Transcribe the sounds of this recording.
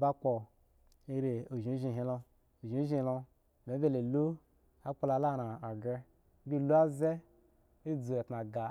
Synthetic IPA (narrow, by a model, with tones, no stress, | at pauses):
ba˦k͡po˨ | i˦ɾe˨o˨ʒi˨˦ʒi˨˧˨ɦi˧lo˧ | o˨ʒi˨˦ʒĩ˦˨lo˧˨ | ne˨˦be˦le˨lu˦ | a˦k͡po˦la˧la˦˨ɾa˨a˨ɡe˧˦ | bi˦˨lu˦a˦ze˦ | i˦d͡zu˨e˨tna˨ɡa˨